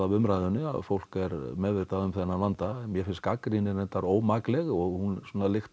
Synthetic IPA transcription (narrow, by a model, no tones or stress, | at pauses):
avʏmɾajðʏnːʏa̰ðfowl̥kɛɾmɛːðvɪɾt̪aðʏmθɛnːalant̪amjɛfɪnskakɾinɪɾɛnt̪aɾoːwmaklɛɣɔɣhunsɔːnalɪxt̪